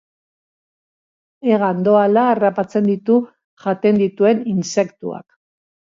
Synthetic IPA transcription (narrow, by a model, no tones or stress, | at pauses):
e̞ɣand̪o̞alaːrapat͡se̞nd̪it̪u | ʝat̪e̞nd̪it̪ue̞ninse̞kt̪ṵa̰k